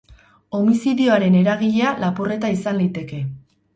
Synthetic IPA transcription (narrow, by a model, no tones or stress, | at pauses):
o̞misiðioaɾe̞ne̞ɾaɣ̞iʎe̞alapure̞t̪aisanlit̪e̞ke̞